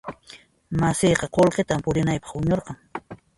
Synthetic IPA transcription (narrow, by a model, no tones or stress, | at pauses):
masɪjqɑqolqet̪ampʊɾɪnajpɑ̥χʊɲoɾqɑŋ